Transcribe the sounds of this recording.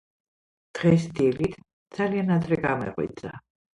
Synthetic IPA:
d̪̥ʁɛsd̪ilit̪ʰ | d̪z̥alianad̪ɾɛɡamɛ̰ʁwḭd̪zʼa

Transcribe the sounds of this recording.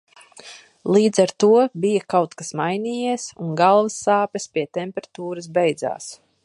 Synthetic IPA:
lˠiːd̪zaɾt̪uɔbijakawt̪kasmajniːjiɛsunɡalˠvasːaːpʲɛspiɛt̪ɛmpʲɛɾat̪uːɾɨs̬bɛjd̪za̰ːs

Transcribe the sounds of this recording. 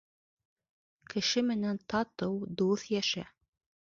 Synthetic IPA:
kʰɘ̆ʃɘmɘ̆nænt̪ʰɑt̪ɤwd̪uθjæʃæ

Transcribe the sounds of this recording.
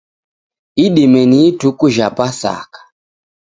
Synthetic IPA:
iɗimɛnitukuʒapasa̰kḁ

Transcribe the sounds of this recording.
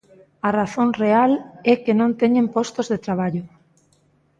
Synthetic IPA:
araθoŋrealɛkenõnt̪eɲẽmpɔst̪ozðet̪ɾaβ̞aʎo

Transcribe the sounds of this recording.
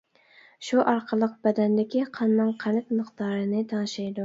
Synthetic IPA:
ʃuʔɑɾqʰəlˠəq̚bɛd̪ɛnd̪ɪkʲʰiqʰɑnːɨŋqʰænɪp̪̚məqd̪̥ɑːɾɨnɨt̪ʰɑnʃɑjd̪u

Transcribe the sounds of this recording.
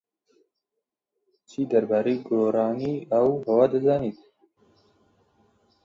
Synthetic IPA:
t͡ʃʰiːd̪ɐɾbaːɾejɡoːɾɑːniːawhɐwaːd̪əzaːniːt̪

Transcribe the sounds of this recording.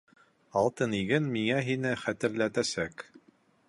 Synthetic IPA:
ɑlˠt̪ɤniɡɘnmiŋæɦinɘχæt̪ɘ̆ɾlæt̪æsæk

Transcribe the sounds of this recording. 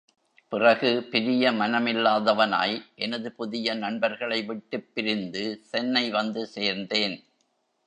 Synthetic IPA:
pɪrɐɣɯpɪɾɪjɐmɐnɐmɪlːaːðɐʋɐna̰ːjʔɛnɐðɯpʊðɪjɐnɐɳbɐɾɣɐɭɐɪʋɪʈːɯpːɪɾɪnd̪ɯsɛnːɐɪʋɐnd̪ɯseːɾnd̪eːn

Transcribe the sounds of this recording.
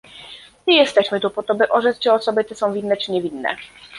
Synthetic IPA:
mɘjɛst̪ɛɕmɘt̪upɔt̪ɔbɘʔɔʐɛt͡s̪t͡ɕɛɔsɔbɘt̪ɛsɔ̃w̃vʲinːɛt͡ʂɘɲɛvʲinːɛ̰

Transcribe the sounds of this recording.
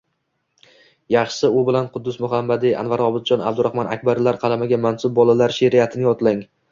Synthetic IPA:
jɑχʃɪʊbɪlanqʰʊd̪ːʊsmʊɦamːad̪ɪa̰nvaɾɒbɪd̪̚d͡ʒɒna̰b̚d̪ʊɾahmɒna̰kʲbaɾlaɾqʰɑlˠamaɡʲamansʊb̚ːɒlalaɾʃeɾɪjat̪ʰɪnɪjɒt̪ʰlaŋ

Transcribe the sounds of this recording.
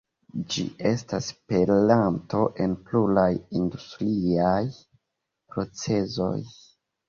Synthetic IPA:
d͡ʒḭʔe̞staspe̞lanto̞ʔe̞npluɾajindustɾiaj | pɾo̞t͡se̞zo̞̰j

